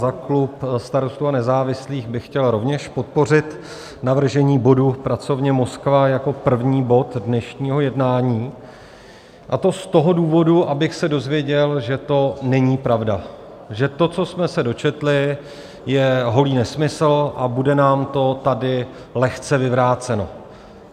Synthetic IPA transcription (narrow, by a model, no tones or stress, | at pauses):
zaklupst̪aɾo̞st̪uːanɛzaːvɪsliːxbɪxcɛlɾo̞vɲɛʃpo̞t̪̚po̞r̝ɪt̪ | navr̩ʒɛɲiːbo̞dupɾat͡so̞vɲɛmo̞skvajako̞pr̩vɲiːbo̞t̪dnɛʃɲiːɦo̞jɛdnaːɲiː | ʔat̪o̞st̪o̞ɦo̞duːvo̞duʔabɪxsɛdo̞zvjɛɟɛlʒɛt̪o̞nɛɲiːpɾavda | ʒɛt̪o̞t͡so̞smɛsɛdo̞t͡ʃɛt̪lɪ | jɛɦo̞liːnɛsmɪsl̩ʔabudɛnaːmt̪o̞t̪adɪ | lɛxt͡sɛvɪvɾaːt͡sɛno̞̰